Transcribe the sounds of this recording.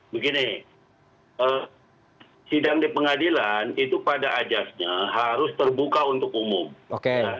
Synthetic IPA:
bəɡinɪ | ə | sidaŋdipəŋadilanit̪upadaʔad͡ʒasɲaɦaɾʊst̪ərbukaunt̪ʊkumʊmokea

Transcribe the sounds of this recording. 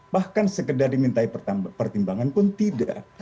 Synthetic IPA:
bahkansəkədardimint̪aippərt̪imbaŋanpʊnt̪ida̰ʔ

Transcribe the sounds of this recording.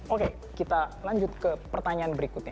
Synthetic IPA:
oke | kit̪alaɲd͡ʒʊt̪̚kəpərt̪aɲaanbəɾikʊt̪̚ɲa

